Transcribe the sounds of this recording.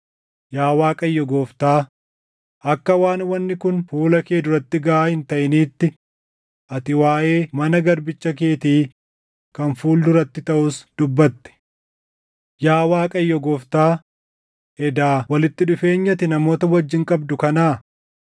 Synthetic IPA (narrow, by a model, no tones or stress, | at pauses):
jaːwaːkʼɐjːɔɡoːft̪aː | ʔɐkːɐwaːnwɐnːɪkʊnfuːlɐke̞ːd̪ʊɾɐt̪ːɪɡɐaːhɪnt̪ɐʔɪniːt̪ːɪ | ʔɐt̪ɪwaːʔe̞ːmɐnɐɡɐɾbɪt͡ʃːɐk̬e̞ːt̪iː | kɐnfuːlːʊɾɐt̪ːɪt̪ɐʔʊsd̪̥ʊbːɐt̪ːɛ̥ | jaːwaːkʼɐjːɔɡoːft̪aː | ʔɛd̪aːwɐlɪt̪ːɪᶑʊfe̞ːɲːɐt̪ɪnɐmo̞ːt̪ɐwɐd͡ʒːɪŋkʼɐbd̪ʊkɐnaː